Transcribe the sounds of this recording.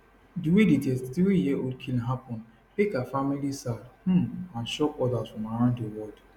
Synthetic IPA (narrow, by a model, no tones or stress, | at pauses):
diwidid͡ʒɛsttiwijɛʔodkʰilɦapɔ̃n | tekafamilisadh̩mãnʃɔkɔdazfɹɔ̃maɾãʊ̃nddewɔld